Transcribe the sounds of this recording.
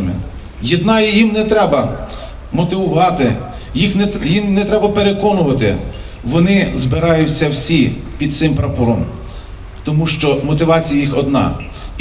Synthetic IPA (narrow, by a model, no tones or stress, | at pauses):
mɪ̰ | jid̪nɑjijimnɛt̪ɾɛbɐ | mɔt̪ɪʋʊʋɑt̪ɪ | jixnɛjimnɛt̪ɾɛbɐpeɾekɔnʊʋɐt̪ɪ̰ | ʋɔnɪzbɪɾɑjʊt͡sʲːɐwsʲipʲid̪t̪sɪmpɾɐpɔɾɔm | t̪ɔmuʃt͡ʃɔmɔt̪ɪʋɑt͡sʲijɐjixɔd̪nɑ̰